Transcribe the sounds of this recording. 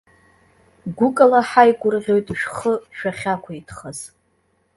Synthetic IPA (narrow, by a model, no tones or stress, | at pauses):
ɡʷʊkʼalaħajɡʷʊrʁʲo̞jtʼʃχəʃᶣaχʲakʷʰaitʰχaz̥